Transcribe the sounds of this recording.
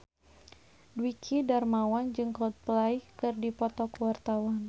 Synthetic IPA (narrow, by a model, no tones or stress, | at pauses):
dwikʰidarmawand͡ʒɨŋkɔt̪̚pəlaihkɨrdipɔt̪ɔkəwart̪awan